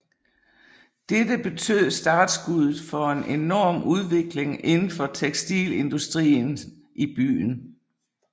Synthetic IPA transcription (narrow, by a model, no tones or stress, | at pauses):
d̥ed̥əb̥e̝t͡sʰø̰ð̞̰ˠsd̥ɑ̈ːd̥sɡ̥uðˠð̩ˠfɒ̽e̝nʔe̝nɒːmʔuð̞ˠʋe̝ɡ̥le̝ŋe̝nn̩fɒ̽t͡sʰeɡ̥sd̥ḭːle̝nd̥usd̥ʁḭːn | ʔib̥y̰ːn